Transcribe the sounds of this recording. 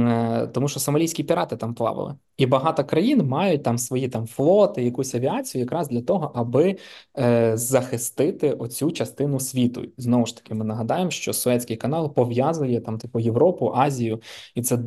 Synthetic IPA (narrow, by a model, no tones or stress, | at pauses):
t̪ɔmuʃt͡ʃɔsɐmɐlʲijsʲkʲipʲiɾɑt̪ɪt̪ɑmplˠɑ̰ʋɪ̰lˠɪ̰ | ibɐɦɑt̪ɔkɾɐjinmɑjʊt̚ʲt̪ɑmsʋɔjit̪ɑmflˠɔt̪ɪjɐkusʲɐʋʲiat͡sʲijʊjɐkɾɑzd̪lʲɐt̪ɔɦɔʔɐbɪ | zɐxɪst̪ɪt̪ɪʔɔt͡sʲut͡ʃɐst̪ɪnʊsʲʋʲit̪ʊ̰znɔʋʊʃt̪ɐ̥kɪmɪnɐɦɐd̪ɑjemʃt͡ʃɔsʊɛt͡sʲkʲɪjkɐnɑlˠpɔʋjazʊjɛt̪ɑmt̪ɐkujeʋɾɔpʊʔɑzʲijʊit̪sɛ